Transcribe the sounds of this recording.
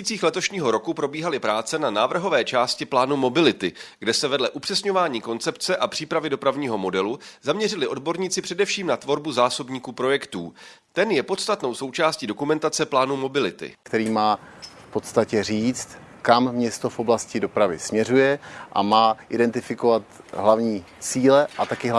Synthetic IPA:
iːt͡siːxlɛt̪o̞ʃɲiːɦo̞ɾo̞kupɾo̞biːɦalɪpɾaːt͡sɛnanaːvr̩ɦo̞vɛːt͡ʃaːscɪplaːnumo̞bɪlɪt̪ɪɡdɛsɛvɛdlɛʔupr̥ɛsɲo̞vaːɲiːko̞nt͡sɛpt͡sɛʔapr̥iːpɾavɪdo̞pɾavɲiːɦo̞mo̞dɛluzamɲɛrɪlɪʔo̞dbo̞ɾɲiːt͡sɪpr̥ɛdɛfʃiːmnat̪vo̞ɾbuzaːso̞bɲiːkuːpɾo̞jɛkt̪ṵː | t̪ɛnjɛpo̞t̪st̪at̪no̞wso̞wt͡ʃaːsciːdo̞kumɛnt̪at͡sɛplaːnumo̞bɪlɪt̪ɪ̰kt̪ɛɾiːmaː | fpo̞t̪st̪acɛriːt͡st̪ | kamːɲɛst̪ofʔoblascɪdo̞pɾavɪsmɲɛrujɛʔa̰maːʔɪdɛnt̪ɪfɪkovat̪ɦlavɲiː | t͡siːlɛʔat̪akɪɦ

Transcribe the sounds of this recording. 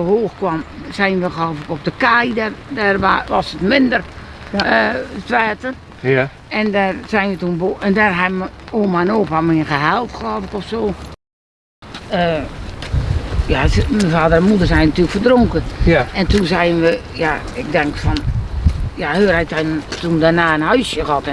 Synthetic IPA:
əhoːxkwamsɛjnʋəxəloːvəkɔp̚dəkɛjdɛrdɛrʋaʋɔsətmɪndər | ətʋɛːtən | ɛndɛrsɛjnʋətunboːɛndɛrɦɛbmoːmanoːpamɪənxəhɛlˠtxəlɔːfəkɔfsoː | ə | jasmənfaːdərɛnmudərsɛjnnatyːləkfərdroŋkəɛntunsɛjənʋə | ja | ɪk̚dɛŋkfɔn | jahøːrɛjtɛtundɛrnaːənhœɥsjəɣɔt

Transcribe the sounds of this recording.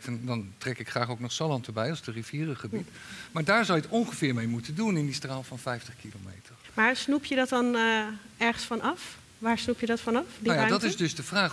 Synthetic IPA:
ndɑntrɛkɪkχraːχowknɔχsɑlɑntəbɛjɑlˠsdəriviːrəχəbit | maːɹdaːɹzɔwjətɔŋχəvɪːɹmejmutəndunɪndistraːlˠfɑnfɛjftəχkilomḛjtʰəɹmaːɹsnupʰjədɔtɔn | ɛɹχənsfɑnɑf | ʋaːɹsnupjədɔtfɑnɑfdijadɔtɪzdɵzdəvraː

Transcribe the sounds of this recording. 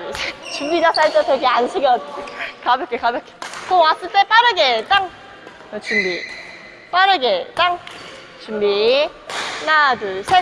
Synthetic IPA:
id͡ʑet͡ɕumbid͡ʑasʰaɭt͈ʌtweɡeanɕʰiɡjʌt̚t͡ɕikabjʌk͈ʰekabjʌk͈ʰe̥kowas͈ɯɭt͈ep͈aɾɯɡe̞t͈aŋ | t͡ɕumbi | p͈aɾɯɡet͈aŋ | t͡ɕumbi | nadɯsʰe

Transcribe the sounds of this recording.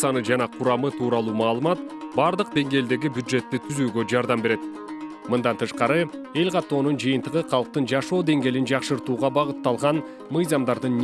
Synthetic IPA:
sɑnɯd͡ʒɑnɑqʰʊɾɑmɯt̪ʰuːɾɑlˠuːmɑːlˠɯmɑt̪̚bɑɾd̪əq̚d̪e̞ŋɡʲe̞ːld̪e̞ɡʲibjud̪ʒe̞t̪ːet̪ʰyzyːɡød͡ʒɑɾd̪ɑmbe̞ɾe̞t̪ | mɨnd̪ɑnt̪ʰɯʃqɑɾɯ | e̞lʲqʰɑt̪ːo̞ːnund͡ʒɯjɯnt̪əʁɯqʰɑlˠq̚t̪ɯnd͡ʒɑʃo̞ːd̪e̞ŋɡʲe̞ːlind͡ʒɑqʃɯɾt̪uːʁɑbɑʁət̪ːɑlˠʁɑn | mɯjzɑmd̪ɑɾd̪ɯnː

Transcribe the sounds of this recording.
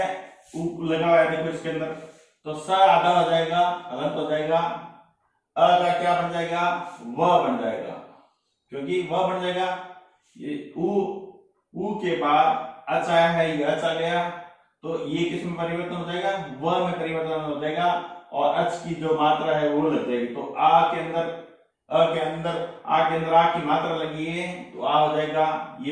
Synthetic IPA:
ulɐɡaʋajad̪ekʰoɪskeɐ̃nd̪əɾ | t̪osaɾaːd̪aɦoːd͡ʒaːeːɡahɐlə̃nt̪ɦoːd͡ʒaːeːɡaː | ɐlːɡakjaːbɐɳd͡ʒaːeːɡaʋɐɦbɐɳd͡ʒa̰ːḛːɡa̰ː | kjõːkiʋɐɦbɐɳd͡ʒaːeɡa | u | uːkebaːd̪ɐt͡ʃaːjaɦɛjeɐtːt͡ʃʰaɡɐja | t̪ojekɪsmepɐɾɪʋəɾt̪ənɦoːd͡ʒaːeːɡaʋɐɦmẽkɐɾiːmət̪anɦoːd͡ʒaːeɡaɔːɾʔɐt͡ʃkid͡ʒoːmaːt̪ɾaɦɛʋolɐɡd͡ʒaːeɡt̪oʔaːkeɐ̃nd̪əɾ | keɐ̃nd̪əɾa̰ːkeɐ̃nd̪əɾaːpkimaːt̪ɾalɐɡiɛ̃t̪o̰aːɦoːd͡ʒaːeːɡaje

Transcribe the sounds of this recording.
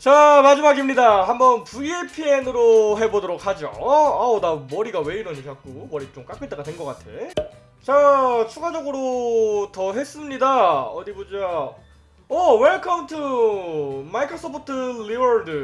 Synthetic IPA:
t͡ɕamad͡ʑimaɡimɲidaɦambʌnpuiepʰie̞nɯɾoɦe̞bodoɾok̚had͡ʑo̰anamʌɾiɡawe̞iɾʌɲikak̚k͈omʌɾit͡ɕomk͈ak͈et͈aɡadwenɡʌk͈atʰe̞̰ | t͡ɕat͡ɕʰuɡad͡ʑʌɡɯɾotʌɦe̞s͈ɯmɲidaʌdibod͡ʑa | ʌweɭkʰʌmtʰu | maikʰos͈ʰopʰotʰɯliʌɭdɯ

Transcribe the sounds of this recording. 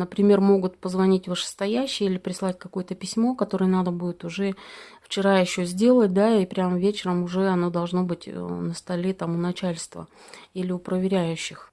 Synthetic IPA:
nəpɾʲɪmʲe̞rmo̞ɡʊt̪pəzvɐnʲitʲvɨʂɨ̥st̪ɐjæɕːɪjilʲɪpɾʲɪslˠatʲkɐko̞jət̪əpʲɪsʲmo̞kɐt̪o̞ɾɨjənad̪əbudʲɪt̪ʊʐɛft͡ɕɪɾajɪɕːɵzʲdʲe̞lˠət̚ʲd̪aipɾʲamvʲet͡ɕɪɾəmʊʐɛɐno̞d̪ɐlˠʐno̞bɨtʲnəst̪ɐlʲet̪amʊnɐt͡ɕælʲst̪və̰ | ilʲɪʊpɾəvʲɪɾʲæjʉɕːɪx

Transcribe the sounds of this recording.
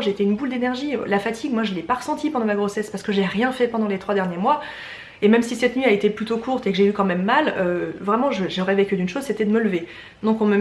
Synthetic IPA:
ʒet̪ɛynbuld̪enɛʁʒilafat̪ʰiɡmwaʒəlɛpaʁəsɑ̃t̪ipɑ̃d̪ɑ̃maɡʁosɛspaʁsə̥kəʒeʁjɛ̃fɛpɑ̃d̪ɑ̃let̪χwad̪ɛʁnjemwa | emɛmsisɛt̪nɥiaet̪eplyt̪okʰuʁt̪ekəʒeykɑ̃mɛmːaløvʁɛmɑ̃ʒəʒəʁɛvekʲyd̪ynʃozset̪ɛd̪əmələve | d̪ɔ̃kɔ̃mə

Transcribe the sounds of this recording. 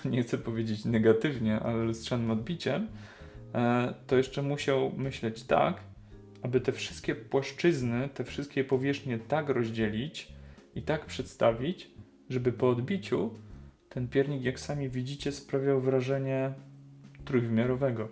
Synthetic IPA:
ɲɛxt̪sɛpɔvʲjed͡ʑet͡ɕnɛɡat̪ɘvɲɛʔa̰lɛstʂanɘmɔd̪bʲit͡ɕɛm | t̪ɔjɛʂt͡ʂɛmuɕawmɘɕlɛt͡ɕt̪a̰k | abɘt̪ɛfʂɨst̪kʲɛpwaʂt͡ʂɘznɘt̪ɛfʂɘst̪̚kʲɛpɔvʲjɛʂxɲɛt̪akɾɔʑd͡ʑɛlʲit͡ɕit̪akpʂɛt̪st̪avʲit͡ɕ | ʐɛbɘpɔːd̪bʲit͡ɕut̪ɛnpʲjɛɾɲikjaksamʲivʲid͡ʑit͡ɕɛspɾavʲjawvɾaʐɛɲɛ | t̪ɾujvmʲjaɾɔvɛɡɔ

